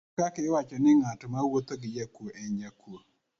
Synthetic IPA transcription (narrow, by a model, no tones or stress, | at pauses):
akaiwakʲɛnɪŋatumawot̪ɐɡijakoʔɛɲjakʰo